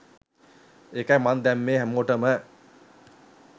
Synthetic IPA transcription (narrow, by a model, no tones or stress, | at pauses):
ekæjmand̪æmːeːɦæmːoʈəmə